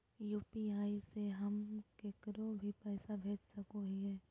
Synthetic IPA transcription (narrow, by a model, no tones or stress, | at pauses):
juːpiaːiseɦɐmkeːkəɾobʱipɛːsabʱeːt͡ʃsɐkoɦiɦɛː